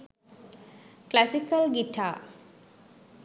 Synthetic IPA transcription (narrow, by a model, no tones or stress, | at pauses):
klæsikəlɡiʈʰaː